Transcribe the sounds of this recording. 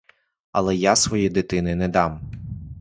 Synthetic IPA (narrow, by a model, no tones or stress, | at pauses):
ɐ̰lˠɛjasʋɔjid̪ɪt̪ɪnɪnɛd̪ɑm